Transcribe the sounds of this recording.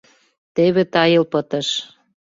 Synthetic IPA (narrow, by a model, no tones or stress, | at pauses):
t̪eβet̪ɑjə̆lpət̪ə̆ʃ